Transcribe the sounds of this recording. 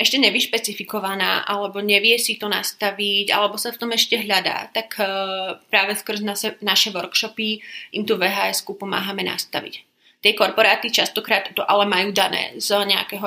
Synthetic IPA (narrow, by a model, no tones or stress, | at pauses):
ɛʃcɛɲɛbiʃpɛt͡sifikɔʋana̰ːʔalɛbɔɲɛʋɪɛsit̪ɔnast̪aʋica̰lɛbɔsaft̪ɔmɛʃcɛɦʎad̪a̰ːt̪ak | pɾaːʋɛskr̩znasɛnaʃɛʋɔɾkʃɔpiʔimt̪uʋɛɦaːɛskupɔma̰ːɦamɛna̰st̪a̰ʋḭc | t̪ɪɛkɔɾpɔɾaːt̪it͡ʃast̪ɔkɾaːt̪t̪ɔʔalɛmajuːd̪anɛ̰ːzɲɛa̰kɛɦɔ